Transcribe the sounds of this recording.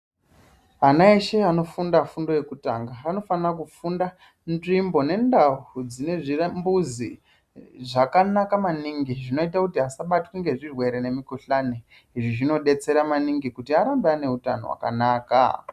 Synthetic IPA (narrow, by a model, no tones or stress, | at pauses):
anaeʃe̞ano̞fundafundo̞je̞kutaŋɡaːno̞fanrakufunda | nrimbo̞ne̞ndauud͡zine̞ʐirambuzi | ʐakanakamaniŋɡiʐino̞itakutiɦasaɓatwiŋɡe̞ʐirwe̞ɾene̞mikuɬane | iʐiʐino̞ɗe̞t͡se̞ɾamaniŋɡikutiaɾambeane̞uta̰no̰wa̰ka̰naːka̰